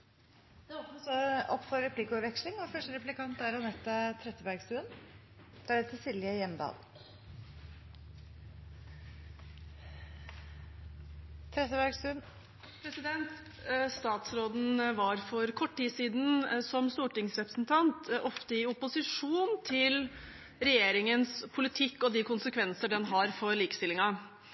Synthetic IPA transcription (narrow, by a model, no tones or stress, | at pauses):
d̪ɛɔpnɔsɔɔpːfɔɾɾɛpʰlikəʉʋɛkʂlɪŋʋɔfœʂʈəɾɛpʉlɪkʰɑnt̪æɾɑnɛt̪ːət̪ʰɾɛt̪ːəbæɾɡst̪ʉn | d̪̥ɾɛt̪ʰɪsɪljəjɛmd̪ɑ̰ːl | t̪ʰɾɛt̪ːəbæɾɡsʉ | pʰɾɛsɪd̪ɛnt̪ | st̪ɑːt̪sɾoːd̪n̩ʋɑɾfɔɾkʰɔʈːiːsiːd̪n̩sɔmst̪uːʈɪŋsɾɛpɾə̥sn̩t̪ʰɑnt̪ʔɔft̪əɪʊpʊsɪʂuːnt̪ʰɪl | ɾɛjeːɾɪŋənspʰʊlɪt̪ʰɪkːɔd̪ɪkʊnsəkʰʋɛnsəɖɛnɦɑɾfɔɭiːkə̥st̪ɪlɪŋɑ